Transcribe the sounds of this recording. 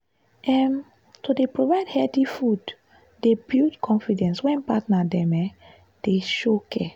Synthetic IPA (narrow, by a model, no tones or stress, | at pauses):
ʔɛm | tudepɹovaɪdhɛtifud | debildkʰɔ̃nfidɛ̃nswɛ̃npatnadɛ̃mɛ | d̥eʃokʰɛ